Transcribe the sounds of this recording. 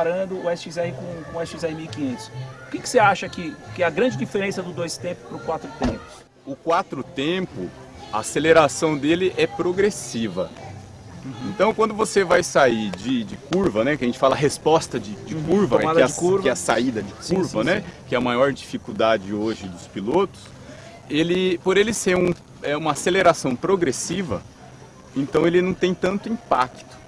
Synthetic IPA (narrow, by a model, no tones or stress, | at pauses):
aɾɐ̃d̪ʊʊɛsizɛikõkõɛsizɛmiwikĩɲẽnt̪ʊ̥sʊkɪkɪ̥seaʃɐkɪkɪɐɡɾɐ̃d͡ʒɪd͡ʒifeɾẽsɐd̪ʊd̪ojst̪ẽpʊɛpɾʊkwat̪ɾʊt̪ẽpʊ̥s | ʊkwat̪ɾʊt̪ẽpʊ | ɐ̰aseleɾasɐ̃w̃d̪elɪʔɛpɾoɡɾesivɐ | ẽnt̪ɐ̃w̃kwɐ̃nd̪ʊvosevajsaid͡ʒɪd͡ʒɪkuɾvɐnɛkɪɐʒẽnt͡ʃɪfalɐɐɦespɔst̪ɐd͡ʒɪd͡ʒɪkuɾvɐad̪ɛkuɾɛɐsa̰id̪ɐd͡ʒɪkuɾvɐnɛkɪɛɐmajɔɾd͡ʒifikud̪ad͡ʒɪoʒɪd̪ʊspilot̪ʊ̥s | elɪpoɾelɪseɾũ | ɛũmɐaseleɾasɐ̃w̃pɾoɡɾesivɐ | ẽnt̪ɐ̃w̃elɪnɐ̃w̃t̪ẽj̃t̪ɐ̃nt̪ʊĩpa̰kt̪ʊ̥